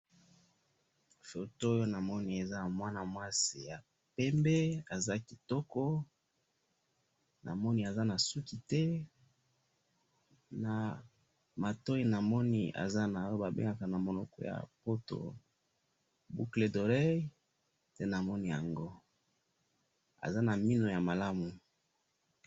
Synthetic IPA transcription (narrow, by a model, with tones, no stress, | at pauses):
fo˨to˦o˦jo˦na˨mɔ˦ni˦e˨za˦˨mwa˦na˨mwa˦si˨ja˨ | pɛ˦mbe˦a˨za˦ki˨tɔ˦kɔ˦ | na̰˨mɔ˦ni˦a˨za˦na˨su˦ki˨tɛ˦ | na˨ | ma˨to˦i˨na˨mɔ˦nḭ˦ʔa̰˨za˦na˨˦o˦ba˨bḛ˦ŋɡa˨ka˨na˨mo˨nɔ˨kɔ̰˨˦ja̰˨po˦to̰˨ | bu˦kle˨do˨ʁe˦ | tɛ˦na˨mɔ˦ni˦ja˨ŋɡo˦ | a̰˨za˦na˨mi˦no˨ja˨ma˨la˦mu˨